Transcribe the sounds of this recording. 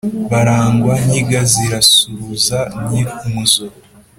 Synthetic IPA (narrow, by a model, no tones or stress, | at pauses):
βaɾaːŋɡwaniɡaziɾasuɾuzanikumuzoɾ